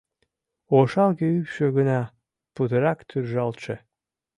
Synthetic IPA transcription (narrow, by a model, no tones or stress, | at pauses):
oʃɑlˠɡeypʃøɣənɑ | put̪əɾɑkt̪ʰyrʒɑlt͡ʃe